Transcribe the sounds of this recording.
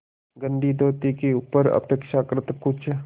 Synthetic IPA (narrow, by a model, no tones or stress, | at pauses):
ɡə̃nd̪ʱid̪ʱoːt̪ikeuːpəɾə̰peːkʃakɾɪt̪kʊt͡ʃʰ